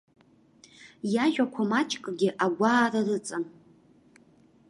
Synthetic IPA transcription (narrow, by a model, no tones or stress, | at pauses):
jaʒᶣakʷʰamat͡ʃʼkʼɡʲɪʔaɡʷaːrarɨt͡sʼan